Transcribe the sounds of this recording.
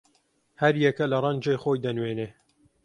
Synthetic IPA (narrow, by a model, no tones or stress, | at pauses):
hɐɾjɛkɐlɐrˤɐnd͡ʒejxoːjd̪ɐnweːneː